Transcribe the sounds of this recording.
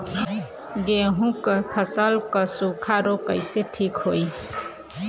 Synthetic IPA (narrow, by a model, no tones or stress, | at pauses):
ɡeɦũkəpʰəsəlkəsukʰaɾokəjseʈʰikhoj